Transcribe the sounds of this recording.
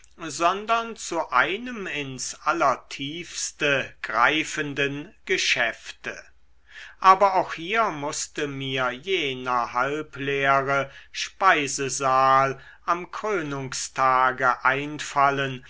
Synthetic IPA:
zɔndɐnt͡suʔaɪnəmɪnsʔalɐtʰiːfstəɡ̥ʁa̰ɪfəndənɡ̥əʃɛftə | ʔaːbɐaʊxhiːɐmʊstəmiːɐjeːnɐhalpleːʁəʃpaɪzəzaːl | ʔamkʁ̥øːnʊŋstʰaːɡəʔaɪnfalən

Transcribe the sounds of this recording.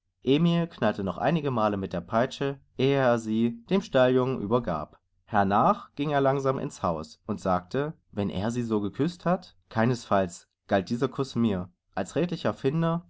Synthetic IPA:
ʔeːmilkʰnaltənɔχʔa̰ɪnɪɡəmaːləmɪt̚d̥eːɐpʰaɪt͡ʃəʔeːəeːɐziːd̥eːmʃtaljʊŋnʔy̰ːbɐɡa̰ːp | hɛɐnaːχɡ̥ɪŋeːɐlaŋzaːmʔɪ̰nshaʊsʔʊntz̥aːk̚tʰə | vɛnʔḛːɐziːzoːɡəkʰʏsthat | kʰaɪnəsfals | ɡ̥alt̚d̥iːzɐkʰʊsmiːɐ | ʔalsʁeːtlɪçɛɐfɪndɐ

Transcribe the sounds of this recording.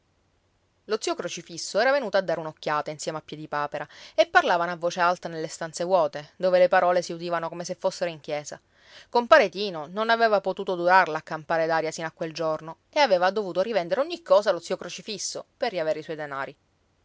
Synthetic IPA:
lot̪siːokɾot͡ʃifisːoɛːɾavenuːt̪oad̪ːaɾeunokʲːjaːt̪ainsjɛːmeapːjɛd̪ipaːpeɾaepːarlaːvanoavːoːt͡ʃealt̪anelːest̪ant̪sewɔːt̪ed̪oːvelepaɾɔːlesiud̪iːvanokomesefːosːeɾoiŋk̟jɛːza | kompaːɾet̪iːnononaveːvapot̪uːt̪od̪uɾarlaːkːampaːɾed̪aːɾjasinakːweld͡ʒorno | eaveːvad̪ovuːt̪oɾivɛnd̪eɾeoɲːikʰːɔːzalot̪siːokɾot͡ʃifisːoperːiaveːɾeiswɔjd̪enaːɾi

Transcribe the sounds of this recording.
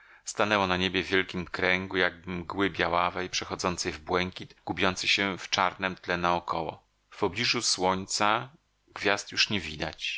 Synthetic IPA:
st̪anɛwɔnaɲebʲjɛvʲjɛlkʲimkɾɛŋɡujaɡmɡwɘbʲjawavɛjpʂɛxɔd̪zɔnt̪sɛjvbwɛŋkʲit̪ɡ̥ubʲjɔnt̪sɘɕɛft͡ʂaɾnɛmt̪lɛnaɔkʰɔwɔ̰ | fpɔblʲiʐuswɔɲt̪sa | ɡvʲjast̪juʂɲɛvʲid̪at͡ɕ

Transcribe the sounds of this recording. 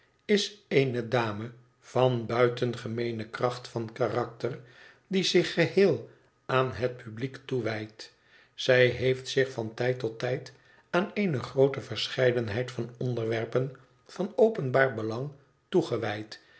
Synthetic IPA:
ɪseɪnədaːmə | v̥ɑnbœɥtənχəmejnəkrɑχtfɑnkarɑk̚tər | dizɪχːəhɪːlˠ | aːnɦət̚pʰybliktuʋɛjt | sɛjɦejftsɪχfɑntɛjtɔtːɛjt | aːnejnəχrowtəvəɹsχɛjdənɦɛjtfɑnɔndəɹʋɛɹpən | fɑnowpənbaːɹbəlɑŋ | tuχəʋɛjt

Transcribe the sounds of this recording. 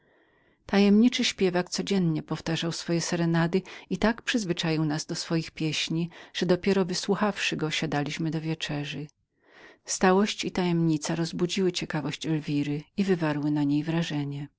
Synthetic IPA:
t̪ajɛmɲit͡ʂɘɕpʲjɛvak̚t̪sɔd͡ʑɛnɲɛpɔft̪aʐawsfɔjɛsɛɾɛnad̪ɘit̪akpʂɘzvɘt͡ʂajiwnazd̪ɔsfɔjixpʲjɛɕɲiʐ̥ɛd̪ɔpʲjɛɾɔvɘswuxafʂɘɡɔɕad̪alʲiɕmɘd̪ɔvʲjɛt͡ʂɛʐɘ | st̪awɔɕt͡ɕit̪ajɛmɲit̪saɾɔzbud͡ʑiwɘt͡ɕɛkavɔɕt͡ɕɛlvʲiɾɘivɘvaɾwɘnaɲejvɾaʐɛɲɛ

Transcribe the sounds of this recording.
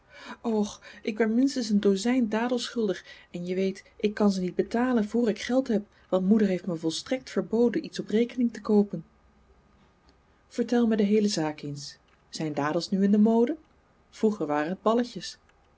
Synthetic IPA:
ɔχʔɪkʋɛtmɪnstəns̬əndowzɛjndaːdəl̩ˠsχɵlˠdəχɛnjəʋejtʔɪkːɑnzənid̚bətaːlənvoːɹɪkχɛlˠtɦɛp | ʋɑntmudəɹɦeftməvɔlˠstrɛk̚tfəɹbowdənitsɔprejkənɪŋtəkowpən | v̥əɹtɛlˠmədəɦejləzaːkejns | z̥ɛjndaːdəlˠsnyɪndəmowdə | v̥ruχəɹʋaːrənɦəd̚bɑləcəs

